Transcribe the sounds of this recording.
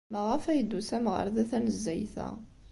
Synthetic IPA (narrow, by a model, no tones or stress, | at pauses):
məʁæfæjəd̪ːusæmʁə̰ɾˤðæθænəzːæjθæ̰